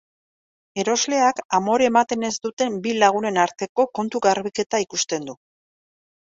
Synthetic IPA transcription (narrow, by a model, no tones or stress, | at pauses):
e̞ɾo̞zle̞akamo̞ɾemat̪e̞ne̞zd̪ut̪e̞mbilaɣ̞une̞naɾt̪e̞ko̞ko̞nt̪uɣaɾβike̞t̪aikust̪e̞nd̪u